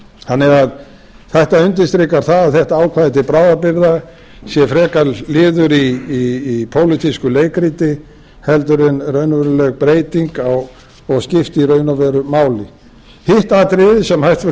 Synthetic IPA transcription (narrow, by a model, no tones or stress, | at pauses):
hanːɛað | θɛht̪aʏnt̪̬ɪst̪ɾɪkaɾ̥θaðaθɛht̪aaːwkʰvaːðɪt̪ɪpɾaːwðapɪɾða | sjɛfɾɛːkallɪːðʏɾiː | pʰoːwlit̪ʰiskʏleːjkɾiːt̪ɪ | hɛlt̪ʏɾɪnrœɥnʏvɛɾʏlœɣpɾeːjt̪iŋkaw | ɔɣscɪft̪iɾœːɥnavɛɾʏmaːwlɪ | hɪht̪at̪ɾɪðɪsɛmhajht̪